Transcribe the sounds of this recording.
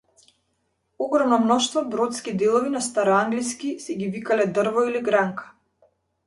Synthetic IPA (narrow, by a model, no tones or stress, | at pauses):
ɔɡɾɔmnɔmnɔʃt̪vɔbɾɔt̪skid̪ɛlˠɔvinast̪aɾɔaŋɡliskisɛɡivikalɛd̪r̩vɔiliɡɾaŋkḁ